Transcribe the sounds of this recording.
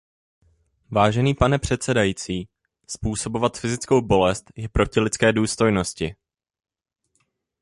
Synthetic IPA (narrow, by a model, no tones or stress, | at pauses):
vaːʒɛniːpanɛpr̝̥ɛt̪sɛdajiːt͡siː | spuːso̞bo̞vat̪fɪzɪt͡sko̞wbo̞lɛst̪jɛpɾo̞cɪlɪt͡skɛːduːst̪o̞jno̞scɪ